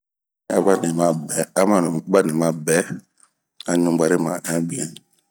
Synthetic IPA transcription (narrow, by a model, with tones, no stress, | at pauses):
a˨ba˦nĩ˨mã˨bɛ˨a˨˦mã˦˨n˨˦ba˦nĩ˨mã˨bɛ˨˦ | a˨ɲũ˨ba˨ɾe˦mã̰˨nã˦bi˦ã˨